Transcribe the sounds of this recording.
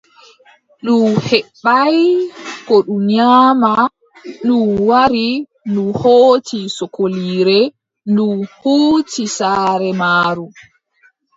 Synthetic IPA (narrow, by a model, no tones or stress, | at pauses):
ɗumhɛɓːajkɔɗuɲaːma | ɗuwaɾi | nuhoːtʰisɔkoliːɾɛ | nduhuːtisaːɾɛmaːɾu